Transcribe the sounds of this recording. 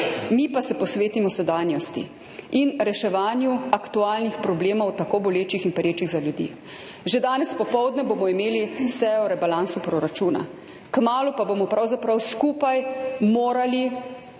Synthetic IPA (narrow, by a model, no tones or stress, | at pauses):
mipasɛpɔsʋeːt̪imɔsɛd̪aːnjɔst̪ḭ | inɾɛʃɛʋaːnjuakt̪uaːlnixpɾɔbleːmɔwt̪akobɔleːt͡ʃixinpɛɾjeːt͡ʃiɣzaljud̪ḭ | ʒed̪aːnɛspɔpɔwd̪nɛboːmɔimeːlisɛjɔɾɛbalansupɾɔɾat͡ʃuːna̰ | kmaːlupaboːmɔpɾawzapɾawskuːpajmoːɾali